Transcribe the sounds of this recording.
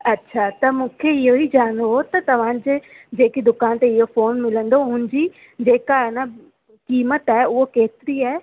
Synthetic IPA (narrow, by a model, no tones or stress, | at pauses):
ɐtːɕʰat̪ɐmũːkʰeɪɦoid͡ʑaːə̃ñd̪oot̪ɐt̪ɐʋ̤ãd͡ʑeː | d͡ʑeːkid̪ʊkaːnt̪eɪɦofoːnmɪlə̃nd̪oɦʊ̃nɪ̆d͡ʑi | d͡ʑeːkanə | kiːmət̪aːɦeʊɦokeːt̪ɪɾiaːɦe